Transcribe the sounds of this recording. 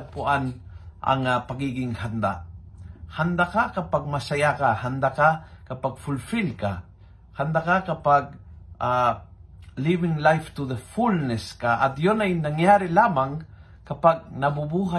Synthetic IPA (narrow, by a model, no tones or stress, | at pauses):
puanʔa̰ŋapaɡiɡiŋhand̪a̰ | hand̪akakapaɡ̚masajakahand̪akakapaɡ̚fulfilka̰ | hand̪akakapaɡ̚a | livɪŋlajft̪uðəfulnɛskaʔat̪jonajnaŋjaɾilamaŋ | kapaɡ̚nabubuɦa